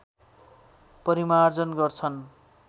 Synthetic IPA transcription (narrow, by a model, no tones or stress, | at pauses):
pʌɾimard͡zʌnɡʌrt͡sʰʌn